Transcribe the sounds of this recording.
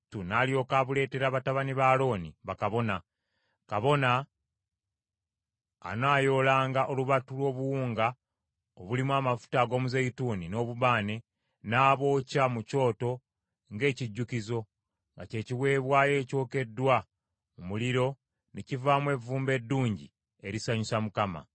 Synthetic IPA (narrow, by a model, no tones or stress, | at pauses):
tunaːljo̞ːkaβule̞ːte̞ɾaːβataβaniβaːlo̞ːniβakaβo̞na | kaβo̞na | naːjo̞ːlaːŋɡaʔo̞luβatulwo̞ːβuwuːŋɡa | oβulimwaːmafu̥taɡo̞ːmuzeituːnino̞ːβuβaːne̞ | naːβo̞ːcamuco̞ːto̞ | ŋɡe̞ːciɟːukizo̞ | ŋɡace̞ːciwe̞ːβwaːje̞ːco̞ːke̞dːwa | mumuliɾo̞ | necivaːmwe̞vuːmbe̞dːuːɲɟḭ | e̞ɾisaɲusamukama̰